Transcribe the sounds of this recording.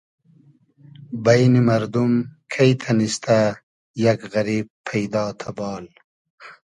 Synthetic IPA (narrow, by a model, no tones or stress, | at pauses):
bɐjnimɐɾd̪umkʰɐjt̪ʰɐnist̪a | jɐkɣɐɾiːb̚pʰːɐjd̪ɑːt̪ʰabɑːl